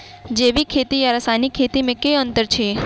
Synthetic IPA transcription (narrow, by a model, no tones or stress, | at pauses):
d͡ʒeʋikʰet̪iaɾasanikʰːet̪imẽkeənt̪əɾt͡ʃʰe